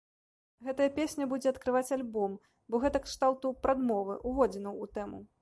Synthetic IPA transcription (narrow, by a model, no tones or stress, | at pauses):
ɣɛt̪ɐjɐpʲesʲnʲɐbud͡zʲɛɐt̪kɾɨvat͡sʲalʲbɔm | bɔɣɛt̪ɐkʂt̪alˠt̪upɾad̪mɔvɨ̰ʔuvɔd͡zʲɛnɐwːt̪ɛmu